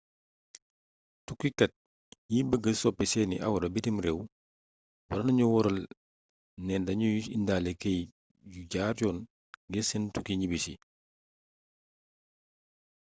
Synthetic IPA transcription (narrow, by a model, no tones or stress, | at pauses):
tukːikɐt̚ | jiːbəɡːəsɔpːɛsɛnḭʔa̰wɾɐbitimɾɛw | wɐɾɐnɐɲuwɔɾɐl | nɛndɐɲujusḭndaːlɛkej | juɟaːɾjɔːn | ɡɛsəntukiɲibisḭ